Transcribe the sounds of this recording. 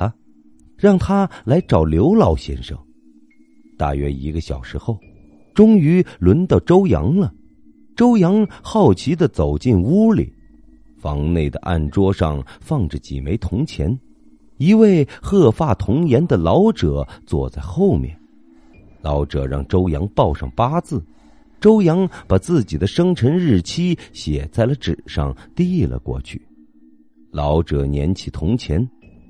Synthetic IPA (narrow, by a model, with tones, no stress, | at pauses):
ɻɑ˥˩ŋt̪ʰa˥la˧˥ɪʈ͡ʂɑ˨˩ʊljo˧˥ʊlɑ˧˥ʊɕjɛ̰˥˧nʂɤ̰˥˩ŋ | t̪a̰˥˩ɥɛ̰˥ḭ˧˥ɡə˧ɕjɑ˨˩ʊʂɻ̩˧˥xo˥˧˩ʊ | ʈ͡ʂʊ˥ŋy˧˥lwə˧˥nt̪ɑ˥˩ʊʈ͡ʂo˥ʊjɑ̰˧˥ŋlə˧ | ʈ͡ʂo˥ʊjɑ˧˥ŋxɑ˥˩ʊt͡ɕʰi˧˥d̪ə˨t͡so˨˩ʊt͡ɕi˥˩nu˥lḭ˨˩˦ | fɑ̰˧˥ŋne˥˩ɪd̪ə̰˩ʔa̰˥˩nʈ͡ʂwɔ˥ʂɑ̰˥˧ŋfɑ˥˩ŋʈ͡ʂə˩t͡ɕḭ˨˩me˧˥ɪt̪ʰʊ˧˥ŋt͡ɕʰjɛ̰˧˥n | i˧˥we˥˩ɪxɤ˥˧fa˥˩t̪ʰʊ˧˥ŋjɛ˧˥nd̪ə˨lɑ˧˥ʊʈ͡ʂɤ˨˩˦t͡swɔ̰˥˧t͡sa˥˧ɪxo˥˧ʊmjɛ̰˥˩n | lɑ˧˥ʊʈ͡ʂɤ˨˩ɻɑ̰˥˩ŋʈ͡ʂo˥ʊjɑ˧˥ŋpɑ˥˧ʊʂɑ̰˥˨˩ŋpa˥t͡sɹ̩˥˩ | ʈ͡ʂo˥ʊjɑ˧˥ŋpa˨˩t͡sɹ̩˥˩t͡ɕi˨˩d̪ə˦ʂɤ˥ŋʈ͡ʂʰə˧˥nɻɻ̩˥˩t͡ɕʰi˥ɕjɛ˨˩t͡sa˥˩ɪlə˩ʈ͡ʂɻ̩˨˩ʂɑ̰˥˧ŋt̪i˥lə̰˨˩kwɔ̰˥˧t͡ɕʰy̰˥˩ | lɑ˧˥ʊʈ͡ʂɤ˨˩njɛ̰˧˥nt͡ɕʰi˨˩t̪ʰʊ˧˥ŋt͡ɕʰjɛ˧˥n